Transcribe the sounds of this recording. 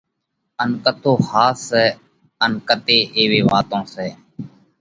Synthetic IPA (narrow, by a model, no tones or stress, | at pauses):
ənkət̪oːhaːsɛː | ənkət̪eːʔeːʋeːʋa̰ːt̪õːsɛː